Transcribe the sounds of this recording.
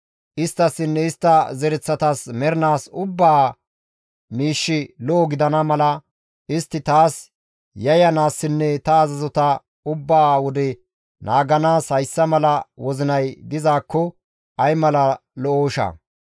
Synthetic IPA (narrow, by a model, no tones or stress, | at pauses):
ʔɪst̪ːɐsːɪnːɛɪst̪ːɐzɛɾɛt͡sːɐt̪ɐsmɛɾɪnaːsʊbːaː | miːʃːɪlɔːɡɪd̪ɐnɐmɐlɐ | ʔɪst̪ːɪt̪aːs | jɐjɐnaːsːɪnːɛt̪ɐːzɐzɔt̪ɐ | ʊbːaːwɔd̪ɛ | nʔaːɡɐnaːshɐjsːɐmɐlɐwɔzɪnɐjd̪ɪzaːkːɔ | ɐjmɐlɐlɔʔoːʃɐ̰